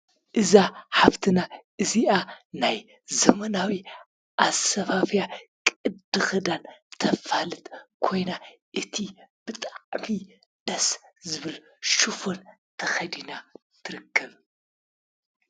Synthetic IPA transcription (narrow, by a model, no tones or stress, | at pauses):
ʔɨzaħaβt̪ʰɨnaʔɨziʔanaj | zɐmɐnawi | ʔasɐfafjakʼɨd̪ɨxɐd̪ant̪ʰɐfalɨt̪kʰo̞jnaʔɨt̪ʰib̥ɨt̪ʼaʕmi | d̪̥ɐszɨβɨl | ʃufo̞nt̪ʰɐxɐd̪ina | t̪ʰɨɾɨkʰːɐβ